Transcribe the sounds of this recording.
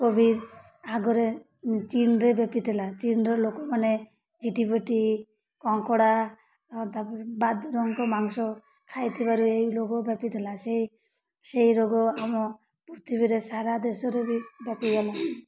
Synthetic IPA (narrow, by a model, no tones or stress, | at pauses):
kobʱiɾ | aɡɔɾe | t͡ʃinɾebepit̪ʰelat͡ʃinɾɔlokɔmane | d͡ʒiʈibɔʈi | kɔŋkɔɽa | t̪abad̪ɾɔŋkɔmaŋsɔ | kʰajt̪ʰibaɾuejloɡɔbepit̪ʰelasei | sejɾoɡɔamɔ | puɾt̪ʰibiɾesaɾad̪esɔɾebibepibɔla